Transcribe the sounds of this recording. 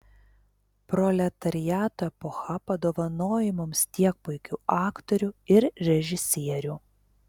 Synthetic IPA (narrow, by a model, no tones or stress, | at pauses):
pɾɔlʲɛt̪ɐɾʲɪjæːt̪oɛpɔxɐpɐd̪oːʋɐnoːjɪmʊmst̪ʲiɛk̚pʊɪkʲuːʔɑːkt̪ɔɾʲuːɪɾɾʲɛʒʲɪsʲiɛɾʲuː